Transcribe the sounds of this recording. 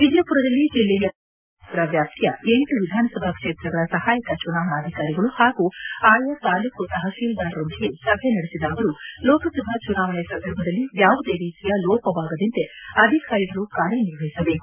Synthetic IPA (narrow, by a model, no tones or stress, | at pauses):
ʋid̪jɐpuɾɐd̪ɐlːid͡ʒilːɛjɐ | t̪ɾɐʋjaːp̚t̪ʰjɐ̰enʈuʋid̪ʱaːnɐsɐbʱakʂeːt̪ɾɐɡɐɭɐsɐhaːjɐkɐt͡ʃunaːʋɐɳaːd̪ʱikaːɾiɡɐɭuhaːɡuaːjɐt̪aːlukut̪ɐɦɐsiːld̪aːɾɾond̪iɡe̞sɐbʱjɐnɐɽesid̪aːʋɐɾulɔːkɐsɐbʱat͡ʃunaːʋɐɭɛsɐnd̪ʱɐɾbʱɐd̪ɐlːijaːʋud̪e̞ːɾiːt̪ijɐlɔːpɐʋaːɡɐd̪int̪eɐd̪ʱikaːɾiɡɐlukaːɾjɐniɾʋɐjisɐbe̞ːku